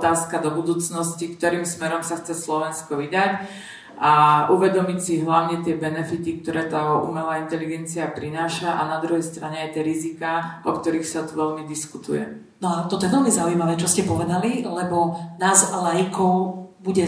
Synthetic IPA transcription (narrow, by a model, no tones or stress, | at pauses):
t̪aːskad̪ɔbud̪uːt͡snɔscikt̪ɔɾiːmsmɛɾɔmsaxt͡sɛslɔʋɛnskɔʋid̪ac | ʔaʔuʋɛd̪ɔmicsiɦlaʊɲɛt̪ɪɛbɛnɛfit̪ik̚t̪ɔɾɛːt̪aːṵmɛlaːint̪ɛliɡɛnt͡siapɾinaːʃaʔanad̪ɾuɦɛjst̪ɾaɲɛajt̪ɛɾizikaɔkt̪ɔɾiːxsat̪uʋɛʎmid̪iskut̪ṵjɛ̰ | nɔat̪ɔt̪ɔjɛʋɛlmizaujmaʋɛːt͡ʃɔscɛpɔʋɛd̪alilɛbɔnaːzlajikɔʊbuɟɛ